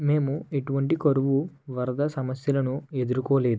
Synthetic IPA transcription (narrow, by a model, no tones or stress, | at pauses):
me̞ːmueʈuʋɐɳʈikoɾuʋu | ʋɐɾɐd̪ɐsɐmɐsjɐlɐnue̞d̪uɾukoːleːd̪